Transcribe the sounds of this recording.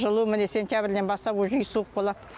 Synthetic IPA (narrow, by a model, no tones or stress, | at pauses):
ʒəlˠumɪnese̞nt̪jabɪɾd̪enbɑst̪ɑpoʒʊjsuəq̚bolˠɑd̪̥